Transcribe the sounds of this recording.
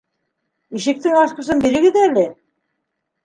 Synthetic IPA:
iʃɘ̆k̚t̪ɘŋɑsqɤ̆sɤnbiɾɘ̆ɡɘðælɘ

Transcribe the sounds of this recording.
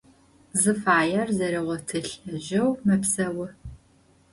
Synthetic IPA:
zɨfaːjɐrzɐɾiʁʷɔtʰɨɬɐʑɐwmɐpsɐwɨ

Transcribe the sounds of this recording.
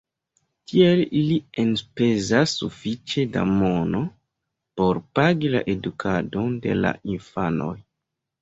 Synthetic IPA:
tʰielilienpe̞zasːufit͡ʃe̞da̰mo̞no̞ | po̞ɾpaɡila̰ʔe̞dukʰado̞nde̞̰la̰ʔinfano̞̰j

